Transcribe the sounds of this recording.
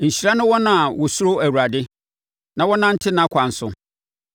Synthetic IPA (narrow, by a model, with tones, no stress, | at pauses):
ɲ̩˨ɕi˨ɾa˦nʊ̃˦wɔ˦nã˨wɔ˨su˦ɾo˦æ˨wu˨ɾa˨dɪ˦ | nã˨wɔ˦nã˦n̩˦tʰɪ˦nã˦kʰʷa˨n̩˨sʊ̰˨